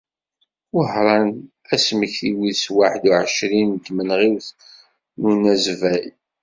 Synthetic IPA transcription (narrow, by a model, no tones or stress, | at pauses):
ʊħɾˤɑn | æsməçθiwiðswaħəd̪uʕəʃɾint̪ːmənʁiwθ | nunæzvæj